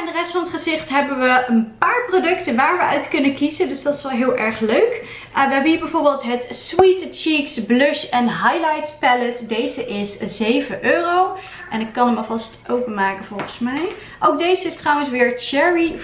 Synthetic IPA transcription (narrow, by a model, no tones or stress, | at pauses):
andərɛstfɑnətχəzɪχtɦɛbənʋəənpaːɹprodɵktənʋaːɹʋəœɥtkɵnənkizəndøsdɑtɪ̥sʋɛlˠɦɪːlˠʔɛɹχløɥk | ʋəɦɛbəɦiːɹbɛjvoːɹbɪːlˠtɦətswitt͡ʃiksblɵʃɛnɦajlɑjtspɛlətdejzəʔɪszejvəʔøːrow | ʔɛnɪkːɑnɦəmɑlˠvɑstʔowpənmaːkənvɔlˠχənsmɛj | ʔowɡ̚dejzəɪstrɔwə̃nsʋɪːɹt͡ʃɛɹi